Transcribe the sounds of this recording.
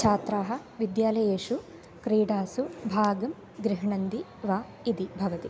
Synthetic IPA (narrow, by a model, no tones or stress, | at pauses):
t͡ʃʰaːt̪ɾaːɦɐ̆ | ʋid̪jaːlɐjeːʂu | kɾiːɽaːsubʱaːɡɐm | ɡɾiɦɐɳɐnd̪i | ʋaː | id̪ibʱɐʋɐt̪i